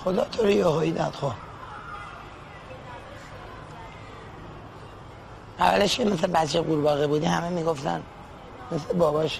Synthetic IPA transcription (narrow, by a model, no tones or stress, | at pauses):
xod̪ɒːt̪ʰoɾijohoid̪a̰d̪xo | ʔæ̰væ̰leʃkʰemeslebæt̪ʃeɡuːɾbɒːɣebuːd̪ihæmemiːɡo̞ft̪æ̰n | meslebɒːbɒːʃ